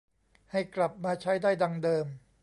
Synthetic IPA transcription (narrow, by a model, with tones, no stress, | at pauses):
ha˥˩jkla˨˩p̚maː˧t͡ɕʰa˦˥jdaː˥˩jda˧ŋdɤː˧m